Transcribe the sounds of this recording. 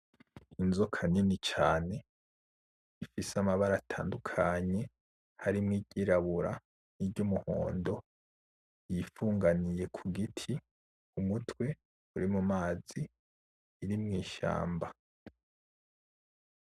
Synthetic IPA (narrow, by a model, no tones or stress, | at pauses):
inzokʰaninit͡ʃaːne̞ | ifisamaβaɾatʰaːndukʰaɲe̞ | haɾimŋiɟiɾaβuɾa | niɾɟumuho̰ːndo̞ | jifuːŋɡanije̞kʰuɡitʰi | umutwe̞ | uɾimumaːz̥iː | ɾimŋiːʃa̰ːmba